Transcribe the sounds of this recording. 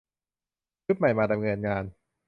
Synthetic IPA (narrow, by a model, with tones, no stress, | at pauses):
ɯ˦˥t̪̚ma˨˩jmaː˧da˧mŋɤː˧nŋaː˧n